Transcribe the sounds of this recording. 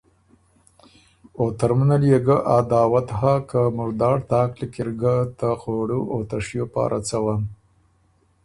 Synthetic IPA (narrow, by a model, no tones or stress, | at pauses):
ot̪aɾmunaljeɡəʔad̪ɑːwat̪ɦakamʊɾd̪ɑːɽt̪ɑːklikɪɾɡat̪axoɽuʔot̪aʂjopɑ̰ːɾʔat͡sawan